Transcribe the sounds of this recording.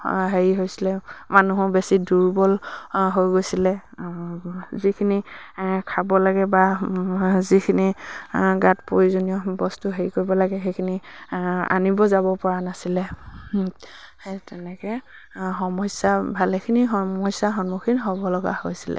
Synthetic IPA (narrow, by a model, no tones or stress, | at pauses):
ɦeɹiɦojsilɛmanuɦɔbesiduɹbɔlɦojɡojsilɛ | zikʰinikʰabɔlaɡɛba | zikʰini | ɡatpoɹizonijɔbɔstuɦeɹikoɹbɔlaɡɛɦejkʰini | a̰nibɔzabɔpɔɹanasilɛ | tɛnɛkɛ | xɔmɔjsabʱalɛkʰiniɦɔmɔsaxɔnmɔkʰinɦɔbɔlɔɡa̰hojsilɛ̰